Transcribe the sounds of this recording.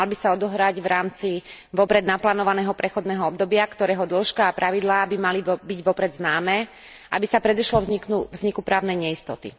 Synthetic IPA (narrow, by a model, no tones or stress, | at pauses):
albisaɔd̪ɔɦɾaɟʋɾaːmt͡siʋɔpɾɛd̪naplaːnɔʋanɛːɦɔpɾɛxɔd̪nɛːɦɔɔb̚d̪ɔbɪakt̪ɔɾɛːɦɔd̪l̩ˠʃkaːpɾaʋid̪laːbimalibiɟʋɔpɾɛd̪znaːmɛː | ʔa̰bisapɾɛd̪iʃlɔvzik̪uvzɲikupɾaːʊnɛjɲɛist̪ɔt̪ḭ